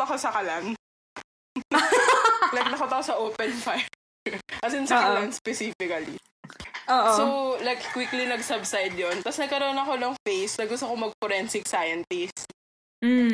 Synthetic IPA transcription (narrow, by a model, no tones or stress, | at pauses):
t̪ɐkosɐkɐlan | lɐjk̚nɐkot̪ɐkosɐʔoːpɛnfaj | ʔɐs̬ɪnsɐkɐlanspɛsiːfɪkɐlḭ | ʔoːʔsowlajkkwiklinɐɡsɐbsajd̪̚jont̪ɐsnɐɡ̚kɐɾonɐkonɐŋfejsnɐɡʊst̪okomɐɡ̚fɔɾɛnsɪksajɐnt̪ɪs̩